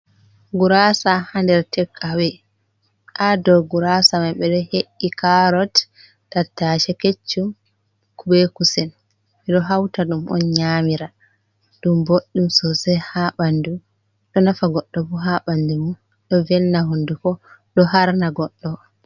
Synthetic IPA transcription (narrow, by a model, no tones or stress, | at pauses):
ɡuɾasahandɛɾtʰɛkʰːawɛ | ʔadɔɡuɾasamaɓɛɗɔheʔːikaɾɔtː | atːaʃɛket͡ʃːum | kubekusɛn | ɓɛɗɔɦawtaɗumʔɔ̰nɲamiɾa | ɗumboɗːumsɔsɛhaɓandu | ɗɔnafaɡɔɗːɔbuɦaɓandumu | ɗɔvɛlnaɦundukɔɗɔhaɾnaɡɔɗːɔ